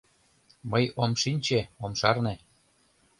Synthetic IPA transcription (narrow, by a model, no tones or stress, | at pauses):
mɤjomʃinʲt͡ɕeomʃɑrne